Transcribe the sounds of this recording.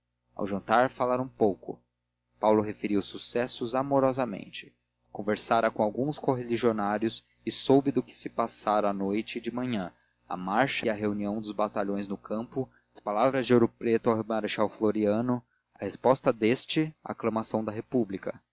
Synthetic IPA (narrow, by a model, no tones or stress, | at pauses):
a̰wʒɐ̃nt̪aɾfalaɾũpowkʊ̰ | pawlʊɦefeɾiwsusɛsʊzamoɾɔzɐmḛ̃nt͡ʃɪ̥ | kõveɾsaɾɐkõawɡũskoɦeliʒionaɾjʊs | ɪsowbɪd̪ʊkɪ̥sɪpasaɾɐ̃anojt͡ʃɪd͡ʒɪmɐ̃ɲɐ̃ | ɐ̰maɾʃɐɐɦeuniɐ̃w̃d̪ʊzbat̪aʎõj̃znʊkʰɐ̃mpʊ | ɐspalavɾɐzd͡ʒɪoɾʊpɾet̪ʊawmaɾeʃawfloɾiɐ̃nʊ | ɐhespɔst̪ɐd̪est͡ʃɪa̰ːklɐ̃masɐ̃w̃d̪ɐɦepublikɐ